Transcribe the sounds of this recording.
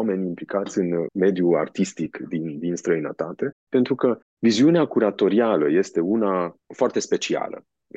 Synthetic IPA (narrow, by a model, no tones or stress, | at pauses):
ame̞nʲimplikat̪sʲɨnme̞d̪jua̰rt̪ist̪ikd̪ind̪inst̪ɾəinə̰t̪at̪e̞pe̞nt̪ɾukə | viziuneakuɾat̪o̞ɾialəje̞st̪e̞unafoart̪e̞spe̞t͡ʃia̰lə̰